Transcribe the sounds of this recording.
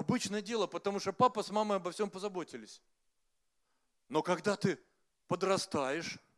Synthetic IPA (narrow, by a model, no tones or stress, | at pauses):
ɐbɨt͡ɕnəjədʲe̞lˠəpət̪ɐmuʂt̪opapəsmaməɨɐbɐfsʲo̞mpəzɐbo̞tʲɪlʲɪsʲ | no̞kɐɡd̪at̪ɨ | pəd̪rɐst̪ajɪʂ